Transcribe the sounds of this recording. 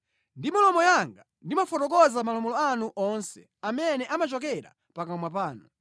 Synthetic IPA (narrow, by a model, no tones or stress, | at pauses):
ndimɔlɔmɔjaŋɡa | ndimafɔtɔk̬ɔzamalɔmɔlɔanuʔɔnsɛ | amɛnɛʔamat͡ʃɔk̬ɛɾa̰ | pakamwapaːnu